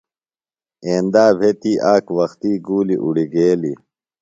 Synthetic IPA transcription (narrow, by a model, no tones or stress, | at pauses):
eːnd̪aːbʱet̪iːʔaːkwɐxt̪iːɡuːliʔuɽiɡeːli